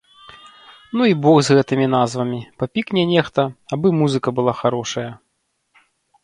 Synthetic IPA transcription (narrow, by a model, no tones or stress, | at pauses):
nuibɔɣzɣɛt̪ɨmʲin̪azvɐmʲipapʲiknʲɛnʲɛxt̪ɐabɨmuzɨkɐbɨlˠaxaɾɔʂɐjɐ